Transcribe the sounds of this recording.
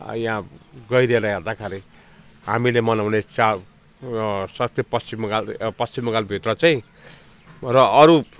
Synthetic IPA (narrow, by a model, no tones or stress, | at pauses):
jãɡʌjɾeɾʌɦerd̪akʰaɾi | ɦamilemʌnawnet͡sa | sʌkt̪jepʌst͡simɡalpʌst͡simɡalbʱit̪rʌt͡saĩ | rʌʔʌɾu